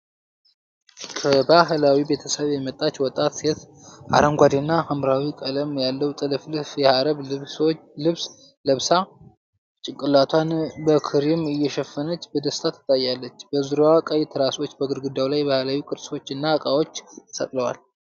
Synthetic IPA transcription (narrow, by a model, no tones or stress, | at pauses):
kʰəbaɦlawibe̞t̪ʰəsəβjɛmət̪ʼːat͡ʃwɔt̪ʼːat̪set̪ | ʔa̰ɾəmɡʷad̪enːahamɾawikʼələmjalːəwt̪ʼɨlɨflfjɛhaɾəβ | lɨβs | ləβsa | t͡ʃʼɪkʼːɨlat̪ʰwanbəkʰɨɾɪmɨjːɛʃɛfːənət͡ʃːbəd̪əst̪ʰat̪ʰːɨ̥t̪ʼajːalːət͡ʃːb̥əzɨɾoakʼajt̪ʰəɾasot͡ʃːbəɡɨɾɡɨd̪ːawlajbahlawikʼɨɾso̞t͡ʃːɨnːakʼawo̞t͡ʃːsə̰k̪ʼləwal